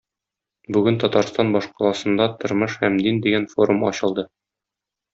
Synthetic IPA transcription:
bʉɡɘnt̪ɒt̪ɑɾst̪ɑnbɒʃqɑlˠɑsɤ̆nd̪ɑt̪ŏɾmɤʃhæmd̪ind̪iɡænfo̞ɾumɒ̰ɕɤ̆lˠd̪ɤ

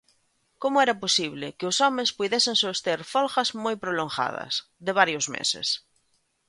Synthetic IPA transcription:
komʊɛɾaposiβ̞lɪkeosɔmẽspuðeseŋsost̪eɾfolxɐzmojpɾolõŋxa̰ð̞ɐ̰s | ðeβ̞aɾjozmḛsḛs

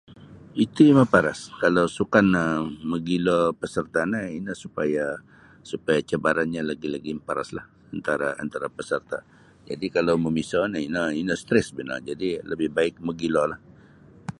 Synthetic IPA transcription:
it̪umapaɾaskalawsukanəməɡilɔpəsərt̪anəinəhsupaja | supajat͡ʃəbaɾanɲalaɡilaɡiməpaɾa̰slah | ant̪aɾaa̰nt̪aɾapəsərt̪a | d͡ʒa̰dikalawməmisɔnəinəinəhst̪ɾɛsbəna̰d͡ʒadiləbɪhbaɪk̚məɡilɔlah

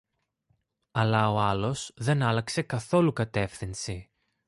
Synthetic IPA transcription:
ɐlɐo̞ɐlo̞sðe̞nɐlɐkse̞kɐθo̞lukɐt̪e̞fθinsi

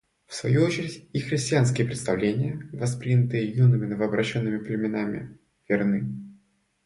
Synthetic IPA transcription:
fsvɐjuot͡ɕɪɾʲɪtʲixɾʲɪsʲtʲɪans̬kʲɪjəpɾʲɪt̪st̪ɐvlʲenʲɪjəvɐspɾʲinʲət̪ɨjəjunɨmʲɪnəvəːbɾɐɕːo̞nːɨmʲɪplʲɪmʲɪnamʲɪ̰ | vʲɪrnɨ

